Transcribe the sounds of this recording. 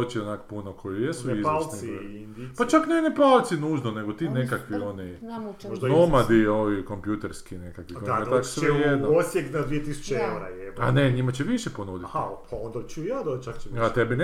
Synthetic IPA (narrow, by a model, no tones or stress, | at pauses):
ot͡ʃionakopunokʰojijesuizalsniinipat͡ʃaknenepɾaːlt̪sinuːʒnoneɡot̪iːnekakʋioniʒd̪nomad̪ioʋikompjut̪eɾskinekakʋikoet̪aksʋejed̪noosjeknad̪ʋiet̪isu̥t͡ʃeewɾaeaneɲimat͡ɕeʋiʃeponuːd̪itapaond̪at͡ʃujaːd̪ot͡ʃakt͡ʃat̪ebine